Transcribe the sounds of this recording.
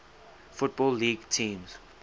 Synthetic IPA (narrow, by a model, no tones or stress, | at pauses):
fʊt̚bɔlːiːɡtʰĩːmz̥